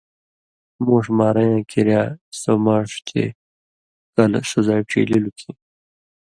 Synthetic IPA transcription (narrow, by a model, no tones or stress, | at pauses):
muʂmaːɾajãːkiɾjaːsomaːʂt̪ʰḛ | kɐlsozajʈ͡ʂʰḭːlilukʰi